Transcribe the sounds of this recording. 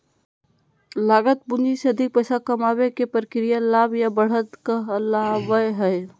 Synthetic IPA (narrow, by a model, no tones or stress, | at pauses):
laːɡət̪̚bʊniseəd̪ʱɪk̚pəsakɐmaːwekepɾkɾijalaːbjabəɽ̤ət̪kaəlaɦʋəjɦɛj